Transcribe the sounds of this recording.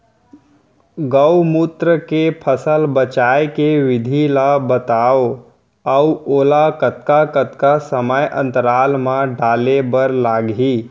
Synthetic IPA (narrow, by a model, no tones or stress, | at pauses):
ɡəwmut̪ɾəkepʰəsəlbət͡ʃaːjkeʋɪd̪ʱilabət̪aːo | əuoːlakət̪kakət̪kasəməjʔə̰̃nt̪əɾaːlmãɖaːlebəɾlaːɡiː